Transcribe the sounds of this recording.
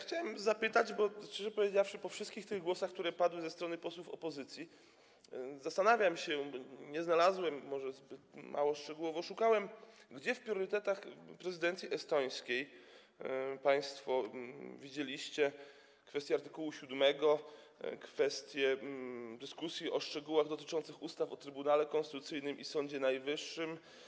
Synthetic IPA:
xt͡ɕawɛmzapɘt̪ad͡ʑbɔt͡ʂɛʐɛpɔvʲjed͡ʑafʂɘpɔfʂɘst̪̚kʲixt̪ɪɣɡwɔsaxk̚t̪uɾɛpad̪wɘzɛst̪ɾɔnɘpɔswufɔ̰pɔzɘt̪sʲji | zast̪anavʲjamɕɛbɲɛznalazwɛmːɔʐɛzbɘt̪mʔa̰wɔʂt͡ʂɛɡuwɔvɔʂukawɛmɡd͡ʑɛfpɾʲjɔɾɘt̪ɛt̪axpɾɛzɘd̪ɛnt̪sʲiʔɛst̪ɔj̃skʲej | paj̃st̪fɔvʲid͡ʑelʲiɕt͡ɕɛ | kfɛst̪ʲjɛaɾt̪ɘkuwuɕud̪mɛɡɔ | kfɛst̪ʲjɛd̪ɘskusʲjiʔɔʂt͡ʂɛɡuwaɣd̪ɔt̪ɘ̥t͡ʂɔnt̪sɘxust̪afɔt̪ɾɘbunalɛkɔnst̪ɘ̥t̪ut̪sɘjnɘmisɔɲd͡ʑɛnajvɘʂːɘm

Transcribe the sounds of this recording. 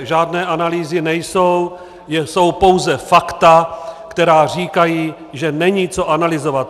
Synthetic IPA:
ʒaːdnɛːʔanaliːzɪnɛjso̞w | jɛso̞wpo̞wzɛfakt̪akt̪ɛɾaːr̝iːkajiː | ʒɛnɛɲiːt͡so̞ʔanalɪzovat̪̚

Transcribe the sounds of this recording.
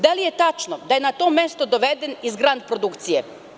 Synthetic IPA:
d̪alijet̪at͡ʃnod̪ajenat̪o̞mest̪od̪oʋed̪enizɡɾand̪̚pɾo̞d̪ukt̪sije

